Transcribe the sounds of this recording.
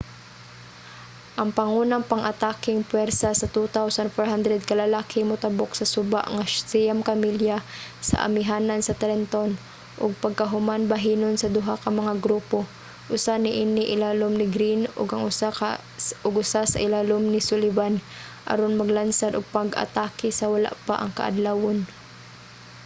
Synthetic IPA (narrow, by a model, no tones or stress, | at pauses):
ʔɐŋpɐŋunaŋpɐŋʔɐt̪aːkɪŋpwɛɾsasɐt̪ut̪awsanfoɹɦand̪ɾɛd̪̚kɐlɐlaːkʰɪmʊt̪aboksɐsʊba̰ʔŋḁt̪ɛjamkamiljasɐ̰ʔa̰mɪɦaːnansɐt̪aɾɛnt̪on | ʔʊɡ̚pɐɡ̚kɐɦʊmanbɐɦiːnonsɐd̪ʊɦakɐmɐŋaɡɾuːpo | ʔʊsanɪʔinɪʔɪlaːlomnɪɡɾinʊ̰ɡɐŋ | ʊɡʊsasa̰ʔɪlaːlomnɪsʊlɪvan | ʔɐ̰ɾonmɐɡlansad̪ʊɡ̚paɡʔɐ̰t̪aːkɪsɐwala̰ʔpaʔɐŋkɐʔa̰d̪lawon